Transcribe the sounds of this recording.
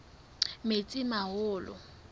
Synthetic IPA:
met͡sʼɪmahʊːlʊ̰

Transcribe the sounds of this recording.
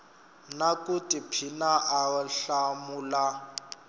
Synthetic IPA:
nakʼutʼipʰinaʔaɔɬamula

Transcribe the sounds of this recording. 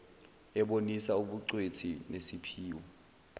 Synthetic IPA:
ɛɓonisauɓuǀwetʰinesipʰiːwɔ

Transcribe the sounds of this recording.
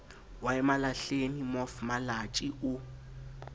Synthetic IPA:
waɛmalaɬenimofmalat͡ʃʼiʔʊ

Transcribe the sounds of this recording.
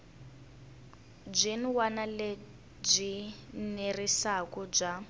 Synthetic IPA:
d͡ʒʷinwanale | b͡ʐʷinerisakɔd͡ʒʷa

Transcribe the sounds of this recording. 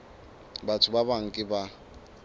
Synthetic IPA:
batʰʊbabaŋ̩kʼɪba

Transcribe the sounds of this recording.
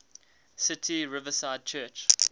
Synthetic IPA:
sɪtʰiɹɪvəsaɪd̚t͡ʃʰɜːˑt͡ʃ

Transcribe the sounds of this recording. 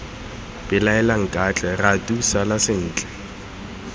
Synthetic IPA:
b̥ɪlaɛlaŋ̩kʼat͡ɬʼɛratʼusalasɪn̩ːt͡ɬʼɛ̥

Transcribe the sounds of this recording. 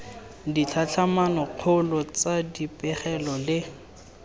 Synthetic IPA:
dit͡ɬʰat͡ɬʰamanɔq͡χʰʊlɔt͡sadipʼɛχɛlɔlɪ

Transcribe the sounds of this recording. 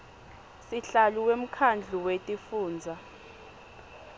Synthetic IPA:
siɬaluwem̩kʰand͡ɮʱuwetʼifuːnd͡zʱa

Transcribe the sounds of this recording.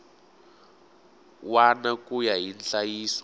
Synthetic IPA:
wanakujaɦinɬajiːsɔ̥

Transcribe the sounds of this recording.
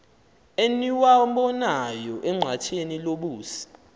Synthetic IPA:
eniwaɔmɓɔnajɔʔɛŋ͡ǀʱatʰeniloɓuːsi̥

